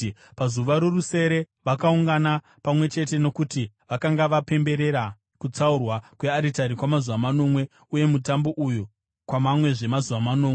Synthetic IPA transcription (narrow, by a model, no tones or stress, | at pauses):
pazuʋaɾoruse̞ɾe̞ | ʋakauŋɡana | pamwe̞t͡ʃe̞t̬e̞no̞kuti | ʋakaŋɡaʋape̞mbe̞ɾe̞ɾa | kut͡saurwakwe̞aɾitaɾikwamazuʋamano̞mwe̞ | uje̞mutambo̞ʔuju | kwamamwe̞ʐe̞mazuʋamano̞ːme